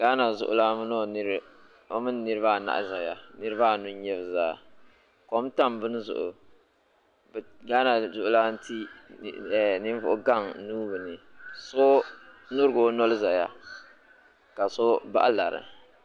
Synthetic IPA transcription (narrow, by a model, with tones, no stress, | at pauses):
ɡ̥a˦na˨zʊ˨ʔʊ̰˦laː˦mɨ˦nɔ˦n˦ɾ | o˦mɨ˦nː˦ɨ˦ɾɨ˦βa˦˨na̰˨ʔza˨ja˨nɨ˦ɾɨ˦ba˦˨nu˦ɲ˦ɲɛ˦bɨ˨zaː˦˨ | ko˦m˦ta˦mbɨ˦n˦zʊ̰˨ʔʊ̰˨ | bɡa˦na˨zʊ˦ʔʊ˦la˦n˦ti˦˨ | ɛ˨nɪ˦ɱ˦vʊ˦ʔʊ˦ɡa˦˨ŋnuː˦bɨ˨nɨ˨so˦nʊ˦ɾɡo˦no˦lɨ˦za˨ja˦ | ka˨so˦ba̰˦ʔa˦la˨ɾɨ̰˨